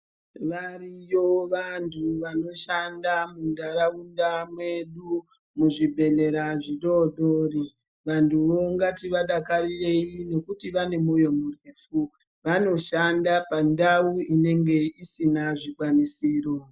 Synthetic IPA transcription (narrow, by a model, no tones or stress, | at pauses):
ʋarijoʋantʰuʋano̞ʃandamundaɾaundamwe̞ɗu | muʐibʱe̞ne̞ɾaʐiɗo̞ɗo̞ri | ʋantʰuʋo̞ŋɡatiʋaɗakarire̞ine̞kutiʋane̞mojo̞mureːfu | ʋano̞ʃandapandauine̞ŋɡe̞isinaʐikwanisiːro̞